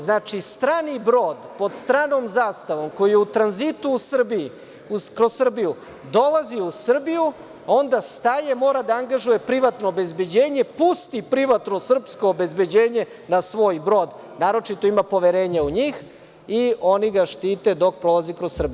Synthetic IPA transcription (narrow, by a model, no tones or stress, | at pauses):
znaːt͡ʃist̪ɾaːnibɾo̞ːd̪po̞d̪st̪ɾaːno̞mzaːst̪aʋo̞mko̞jijeut̪ɾanzit̪uːsrbi | ukɾossr̩biju | d̪o̞lˠaziusr̩biju | ao̞nd̪ast̪ajemo̞ːɾad̪aaŋɡaʒuje̞pɾiʋat̪no̞ːbe̞zbe̞d͡ʑe̞ːɲe̞pust̪ipɾiʋat̪no̞sr̩psko̞ːbe̞zbe̞d͡ʑe̞ːɲe̞ | nasʋo̞ːjbɾo̞ːd̪ | naːɾo̞t͡ʃit̪o̞imapo̞ʋeɾe̞ːɲauɲiːx | io̞niɡaʃt̪iːt̪e̞d̪o̞k̚pɾo̞lˠazikɾossr̩biu